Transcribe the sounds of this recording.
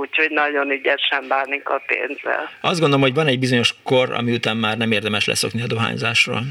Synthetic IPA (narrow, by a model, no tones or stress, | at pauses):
uchoɟnɒɟo̞nyɟɛʃɛmbaːnːiŋkɒpḛːnzɛ̰lɒzd̪ɡond̪olomhoɟvɒnɛɟ̚bizo̞ɲo̞ʃkorɒ̰miut̪aːmːaːrnɛmeːrd̪ɛmɛʃlɛ̰so̞kniɒd̪oɦa̰ːɲza̰ːʃro̰ːl